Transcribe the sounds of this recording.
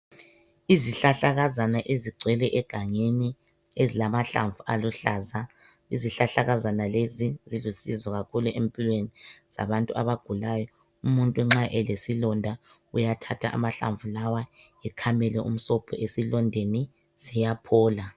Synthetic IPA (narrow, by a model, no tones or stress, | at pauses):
iziɬaɬaɣazanaʔeziɡ͡ǀʱwɛlɛʔɛɡ̥ʱaŋeni | ezilamaɬa̰ɱvualuɬaza | iziɬaɬaɣazanalezizilusizwɔɣakʰuluʔempʼilweniz̥a̰βantʼuʔaβaɡ̥ʱulaːjɔ | umuntʼuŋ͡ǁaʔɛlesilɔndʱa | ujatʰatʰa̰ʔa̰maɬa̰ɱvulawa | ɛkʰamɛlɛʔṵm̩sɔpʰɔ̰ʔesilɔndʱeni | z̥ijapʰɔːla